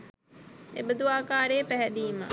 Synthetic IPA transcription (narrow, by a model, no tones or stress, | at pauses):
ebəd̪uaːkaːɾeːpæɦɛd̪iːmə